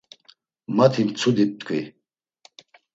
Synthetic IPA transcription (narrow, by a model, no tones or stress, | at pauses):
mat̪ʰimt͡sʰud̪ip̚t̪kʰi